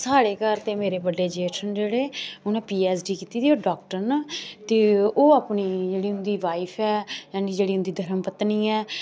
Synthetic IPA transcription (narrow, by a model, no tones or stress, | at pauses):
saːɽeːkəɾt̪ẽːmeːɾeːbəɖːeːd͡ʒeːʈʰənd͡ʒeːɽeːʊnɛ̃ːpiːɛːsɖiːkiːt̪iːd̪iːoːɖaːkʈəɾnat̪eːoːaːpniːd͡ʒeːɽiːʊnd̪iːʋaːipʰɛːjãːniːd͡ʒeːɽiːʊnd̪iːd̪ʱəɾəmpət̪niːɛː